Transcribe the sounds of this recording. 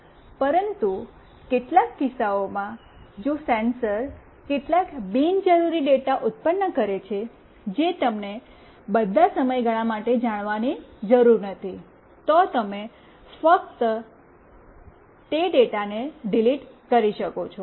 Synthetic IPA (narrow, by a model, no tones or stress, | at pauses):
pəɾənt̪u | keʈlakːɪsaomã | d͡ʒosensəɾ | keʈlakbind͡ʒəɾuɾiɖeʈaʔut̪̚pənːəkəɾet͡ʃʰe | d͡ʒet̪əmne | bəd̪ʱasəməjɡəɭ̃ãmaʈed͡ʒaɽ̃ʋanid͡ʒəɾuɾnət̪ʰi | t̪ɔt̪əme | fək̚t̪ | t̪eɖeʈaneɖiliʈkəɾiʃəkot͡ʃʰo